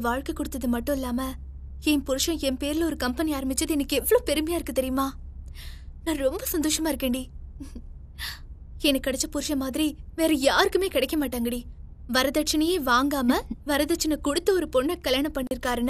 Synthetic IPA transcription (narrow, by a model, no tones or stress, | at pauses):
ɐʋaːɻkɐkːɔɽɯt̪ːɐðɯmɐʈːʊ̃ɪlːaːmɐ | ɛnpʊɾɯʂɐ̃ɛmpeːɾɪlɐɔɾɯkɐmpɐniaːɾɐmbɪt͡ʃːɐðɯɛnɐkːɯɛʋːɐɭoːpɛɾɯmɐjaːɪɾɯkːɯt̪ɛɾɪjɯmaː | nãːɾɔmbɐsɐnd̪oːʂɐmaːɪɾɯkːeːɳɖi | ɛnɐkːɐɽɛt͡ʃːɐpʊɾɯʂɐmaːðɪɾiʋeːɾɐjaːɾɯkːɯmeːkɪɽɛɪkːɐmaːʈːaːŋɡɐɽi | ʋɐɾɐðɐʈt͡ʃɐnɐjeːʋaːŋɡaːmɐʋɐɾɐðɐʈt͡ʃɐnɐkɔɽɯt̪ːɐɔɾɯpɔɳːɐkɐɭjaːnɐpːɐɳːɪɾɯkːaːɾɐnːɐ